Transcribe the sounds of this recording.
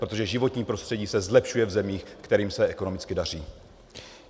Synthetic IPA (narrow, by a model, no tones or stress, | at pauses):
pɾo̞t̪oʒɛʒɪvo̞t̪ɲiːpɾo̞st̪r̝̥ɛɟiːsɛzlɛpʃujɛvzɛmiːxkt̪ɛɾiːmsɛʔɛko̞no̞mɪt͡skɪdar̝iː